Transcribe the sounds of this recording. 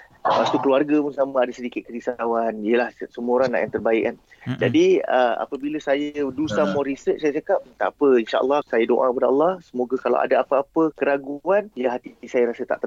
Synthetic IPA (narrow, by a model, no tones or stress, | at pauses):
səpast̪ukəluarɡapʊnsamə̃adasədikɪt̪̚kəɾisawanijəlahsəmũoɾaŋnːa̰ʔjãŋt̪ərbaɪ̰kand͡ʒadiəa̰pəbiləsajədusamɔɾisət͡ʃsajəsakap̚t̪a̰pəinʃa̰ʔə̰lːɑhsajədo̰ʔãkəpadaɔ̰lːɑhsəmoɡakala̰ʔa̰daapəapəkəɾaɡuanjaɦat̪isajəɾasət̪a̰ʔt̪ə